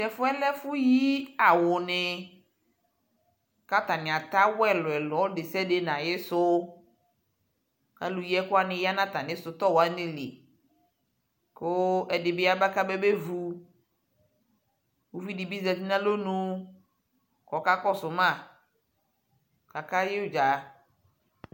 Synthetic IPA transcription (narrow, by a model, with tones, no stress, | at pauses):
t̪ɛ˨fʊ˦ɛ˦lɛ˦fʊ˦ji˦a˨wʊ˨nɪ˨ | ka˦t̪a˨nɪ˨a˨t̪a˦wɛ˦lɔ˨ɛ˨lɔ˨˦dɪ˨sɛ˦de˨nã˨jɪ˦sʊ˦ | ka˦lu˨jɛ˦kʊ˦a˦nɪ̃˨ja˦nã˦t̪a˨nɪ̃˦sʊ˨t̪ɔ˦wa˦nɪ̃˦lḭ˨ | kʊ˦ɛ˨dɪ˨bɪ˦a˦ba˦ka˦be˦be˦vu˦ | wu˦vi˦di˨bi˦zɛ˨ti˦nã˦lo˦nũ˦ | kɔ˨ka˦kɔ˦sʊ˨mã˦˨ | ka˨ka˦jɪ˦d͡ʒa˨